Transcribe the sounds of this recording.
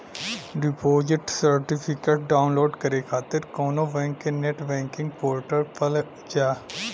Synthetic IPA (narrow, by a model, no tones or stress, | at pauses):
ɖɪpoːd͡ʒɪʈsəɾʈɪpʰɪkeːʈ̚ɖaːʊnloːɖkəɾekʰaːt̪ɪɾkɔːnobɛ̃ːŋkeneʈbɛ̃ːŋkɪ̃ŋɡ̚poːɾʈəɾpəl | d͡ʒaː